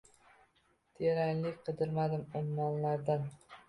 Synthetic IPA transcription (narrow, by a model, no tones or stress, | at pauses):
t̪ʰeɾanlɪkʲqʰɨd̪ɪɾmad̪ɪmʊmːɒnlaɾd̪an